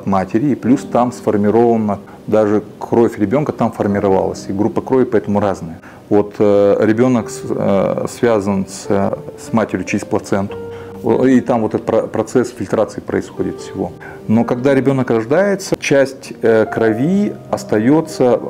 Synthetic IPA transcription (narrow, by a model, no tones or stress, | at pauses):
t̪matʲɪɾʲɪːplʲust̪amsfərmʲɪɾo̞vənə | d̪aʐɨkʰro̞fʲɾʲɪbʲo̞nkət̪amfərmʲɪɾɐva̰lˠə̰sʲiɡɾupːəkɾovʲɪpɐɛt̪əmʊɾaznɨjə | vo̞t̪ɾʲɪbʲo̞nək | svʲazənsʲsmatʲɪɾʲjʊt͡ɕɪɪs̚ʲplˠɐt̪sɛnt̪ʊ̥̰ | it̪amvo̞t̪ɛt̪əpɐpɾɐt̪sɛsfʲɪlʲt̪ɾat̪sɨɪpɾə̰ɪsxodʲɪt̪fsʲɪvo̞̰ | no̞kɐɡd̪aɾʲɪbʲo̞nəkrɐʐd̪ajɪt̪sət͡ɕæsʲtʲkɾɐvʲiɐst̪ɐjo̞t̪sə